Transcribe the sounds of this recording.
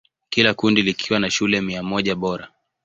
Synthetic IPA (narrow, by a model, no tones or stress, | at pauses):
kilakundilikʰiwanaʃulɛmiamɔʄaɓɔɾa